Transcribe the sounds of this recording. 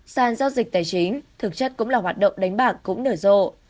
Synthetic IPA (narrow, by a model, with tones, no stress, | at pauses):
saː˨˩nzaː˧wzi˨˩k̚t̪aː˨˩jt͡ɕi˨˦ŋt̪ʰɨ˨˩k̚t͡ɕə˦˥k̚kʊ̰˧˥ŋ͡mlaː˨˩ɦwaː˨˩t̚ɗə̰˧˨wŋ͡mɗa˨˦jŋ̟ɓaː˨˩kkːʊ̰˧˥ŋ͡mnəː˧˩zo̰˧˨